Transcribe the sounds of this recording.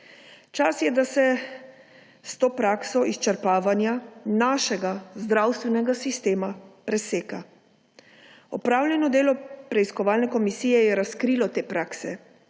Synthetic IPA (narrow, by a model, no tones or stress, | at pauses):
t͡ʃasjɛd̪asɛ | st̪oːpɾaksɔist͡ʃɛɾpaːʋanjanaʃɛɡazd̪ɾawst̪ʋɛnɛɡasist̪eːmapɾɛseːka | ɔpɾaːwlʲjɛnɔd̪eːlɔpɾɛiskɔʋaːlnɛkɔmisiːjɛjɛɾaskɾilɔt̪eːpɾaːksɛ